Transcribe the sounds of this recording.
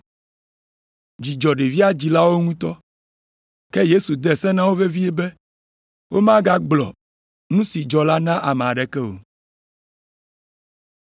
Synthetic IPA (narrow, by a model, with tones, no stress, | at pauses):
d͡ʑi˨d͡ʒɔ˨ɖe˨vi˦a˦d͡ʑi˨la˦wo˦ŋũ˦t̪ɔ˦ | kɛ˦je˦su˨d̪ɛ˨sɛ˦nã˦wo˦ve˦vi˦ɛ˦bɛ˦ | wo˦mã˦ɡa˦ɡ͡blɔ̰˨ | nũ˦si˨d͡ʒɔ˨la˦nã˦ʔa˨mɛ˨a˨ɖɛ˨kɛ˦o̰˨